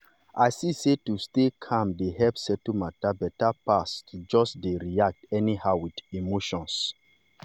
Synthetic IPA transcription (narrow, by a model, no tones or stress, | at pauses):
ajsisetustekʰãmdehɛpsɛtumatabɛtapastd͡ʒɔsdeɹiak̚tɛnihaʊwidimoʃɔ̃ns